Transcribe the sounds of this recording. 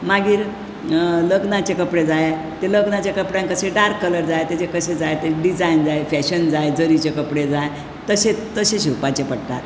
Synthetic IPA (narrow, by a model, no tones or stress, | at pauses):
maɡiːɾ | ləɡnat͡ɕekəpɽed͡zaje | t̪eləɡnat͡ɕekəpɽjãŋkəseɖaɾkːələɾd͡zajet̪et͡ɕekəsed͡zajt̪eɖid͡zaind͡zaefɛɕənd͡zaed͡zəɾit͡ɕekəpɽed͡zaj | t̪əsẽt̪əseɕiupat͡ɕepəɽt̪a̰ɾ